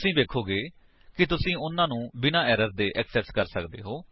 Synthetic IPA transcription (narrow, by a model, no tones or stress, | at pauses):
sĩːd̪eːkʰːoːɡeː | kɪt̪ʊsĩːʊnːãːnũːbɪnãːɛːɾəɾd̪eːʔɛksɛːskəɾsəkd̪ḛːɦoː